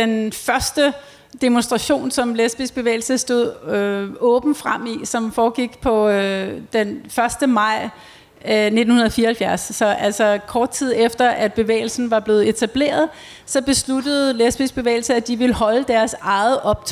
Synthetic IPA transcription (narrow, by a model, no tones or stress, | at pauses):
denfɶɐsd̥ə | d̥emonsd̥ʁɑ̈ɕo̝̰ːnsɒ̽mlesb̥isɡ̥̚b̥e̝ʋḛːɪl̩səsd̥o̝ð̞̰ˠøɔ̽ːb̥n̩fʁam̰isɒ̽mfɒːɡ̥iɡ̥pʰɒ̽ød̥enfɶɐsd̥əmɑ̈ɪ̰ | ne̝d̥n̩hunɐð̩ˠfiːɐhælfjæɐsːɒ̽ʔæl̰sɒkʰɒːd̥̚t͡sʰið̞̰ˠefd̥ɐʔæd̥̚b̥e̝ʋḛːɪl̩sn̩ʋɑ̈b̥le̝ːð̞̩ˠe̝t͡sʰæb̥le̝̰ːɐð̩ˠ | sɒ̽b̥e̝slud̥əð̞̩ˠlesb̥isɡ̥̚b̥e̝ʋḛːɪl̩səæd̥iʋe̝lɦɒ̽ləd̥æɐsɑ̈ɪð̩ˠʔɒ̽b̥̚t͡sʰ